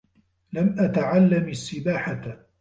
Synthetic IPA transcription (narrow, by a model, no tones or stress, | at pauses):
lamʔat̪aʕalːamasːɪbaːħat̪